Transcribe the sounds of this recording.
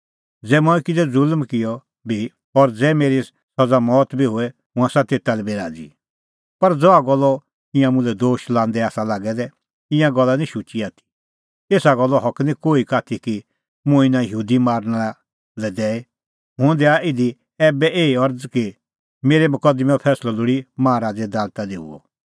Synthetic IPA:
d͡zɛːmɔːɛkɪd͡zɛd͡zʊlmkɪjɔ | bʱi | ɔɾd͡zɛːmeːɾi | sɐd͡zamɔːt̪bʱiɦʊɛ | mʊ̃ãsat̪eːt̪alɛbeːɾaːd͡zḭ | pɐɾd͡zɔaɡɔlːɔ | ɪ̃jãmʊ̃lɛd̪oːʃlãːnd̪ɛaːsalaːɡɛd̪ɛ | ɪ̃jãɡɔlːanĩʃut͡ʃiaːt̪ʰi̥ | eːsaɡɔlːɔɦɔknĩkoːikaːt̪ʰiki | mʊ̃ɪnãjɦuːd̪imaːɾnaa | lɛd̪ɛːe | ɦʊ̃d̪ɛaɪd̪i | ɛːbɛʔeːiɔɾd͡zki | meːɾemʊkəd̪mɛpʰɛːslɔlʊɽimãːɾaːd͡zɛd̪aːlt̪aliɦʊ̰ɔ̰

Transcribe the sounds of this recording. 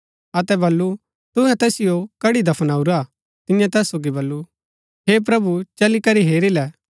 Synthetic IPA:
ɐt̪ɛbɐlːu | t̪ʊɦɛ̃t̪ɛːsɪjokɐɽid̪ɐpʰənaːuɾaː | t̪ɪjãt̪ɛːsːoːɡibɐlːu | ɦeːp̬ɾɐbut͡ʃɐlikɐɾiɦeːɾilɛː

